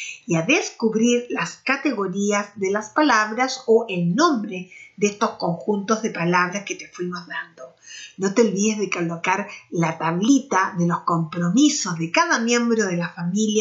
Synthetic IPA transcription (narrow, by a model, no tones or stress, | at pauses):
iaðeskuβɾiɾlaskat̪eɣo̞ɾiazðelaspalaβɾasoʔelnõ̞mbɾeðeest̪o̞sko̞ŋxunt̪o̞zðepalaβ̞ɾasket̪efwimozðand̪o̞not̪eolβiðezðekalokaɾlat̪aβlit̪aðelo̞sko̞mpɾo̞misozðekaðamje̞mbɾoðelafamilja